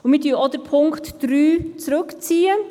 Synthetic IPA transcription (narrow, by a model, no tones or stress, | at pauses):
ʊmɪdyːɔd̥əɾpʰʊŋktːɾyːt͡sɾɵkt͡siːən